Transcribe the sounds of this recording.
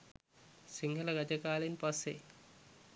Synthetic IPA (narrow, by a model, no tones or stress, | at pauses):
siŋɡʱɐlɐɡɐd͡ʒɐkaːlenpɐsːe